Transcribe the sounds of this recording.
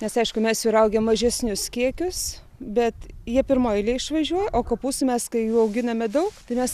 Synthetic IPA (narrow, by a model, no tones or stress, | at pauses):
nʲɛsɐɪʃkʊmʲɛsjuːɾɐʊɡʲɛmːɐʒʲɛsʲnʲʊskʲiɛkʲʊs | bʲɛt̪jiɛpʲɪɾmoːjɪlʲiɛɪʃʋɐʒʲuɔjɛʔoːkoːpuːsʊmʲɛskɐɪjuːɐʊɡʲɪnɐmʲɛd̪ɐʊkt̪ɐɪmʲɛs